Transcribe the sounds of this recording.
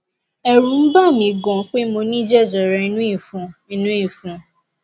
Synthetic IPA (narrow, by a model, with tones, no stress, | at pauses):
ɛ˨ɾũ˨˦n̩˦ba˦˨mĩ˧ɡɔ̃˨k͡pe˦mo˧nĩ˦d͡ʒɛ˦˨d͡ʒɔ˨ɾɛ˧i˧nũ˦i˦˨fũ˨˧i˧nũ˦i˦˨fũ˨